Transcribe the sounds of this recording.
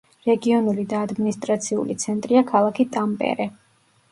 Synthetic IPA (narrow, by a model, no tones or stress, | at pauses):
ɾɛɡiɔnulid̪aːd̪minist̪ʼɾat̪sʰiṵlḭt̪sʰɛnt̪ʼɾiakʰalˠakʰit̪ʼampʼɛ̰ɾɛ